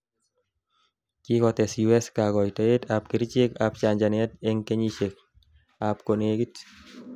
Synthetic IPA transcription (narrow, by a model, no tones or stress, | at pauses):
kikɔtɛsjuɛskaɡɔjtɔetap̚kiɾit͡ʃekap̚t͡ʃaɲd͡ʒanɛt̪eŋkeɲit͡ʃek̚ | ap̚koneɡit